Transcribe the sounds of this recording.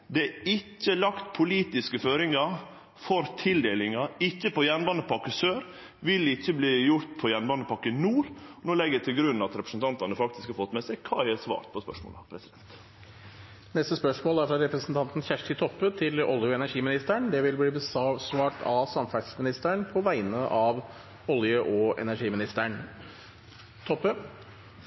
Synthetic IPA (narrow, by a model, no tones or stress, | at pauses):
d̪ɛæɪcːəlɑkt̪pʰʊliːt̪ɪskəføːɾɪŋɑ | fɔɾt̪ʰɪld̪eːlɪŋɑɪçːəpɔjɛnbɑnd̪əpɑkəsøːɾ | ʋɪlɪçːəbliːjʊɾt̪̚pʰɔjɛnbɑnəpʰɑkːənuːɾnoːlɛɡːəd̪ɛt̪ʰɪlɡɾʉnːɑt̪ɾɛpɾəsn̩t̪ɑnt̪ɑnəfɑk̚t̪ɪskhɑɾfɔt̪ːmɛsɛkʰɑ̰ːɛsʋɑ̰ːɾt̪̚pʰɔspœ̰ʂmo̰ːlɑpʰɾɛsɪd̪̥ɛnt̪ | nɛst̪əspœʂmoːlæɾfɾɑɾɛpɾəsn̩t̪ʰɑnt̪n̩çæʂʈɪt̪ʰɔpːət̪ʰɪlɔ̰ljəɔɛnæɾʂiːmɪnɪst̪əɳd̪ɛʋɪlbliːbəssʋɑːʈʰɑsɑmfæsmɪnɪst̪əɳpʰɔʋæɪnəʔɑʋ | ɔljəʔɔɛ̰næʂiːmɪnɪst̪əɳ | t̪ʰɔpːə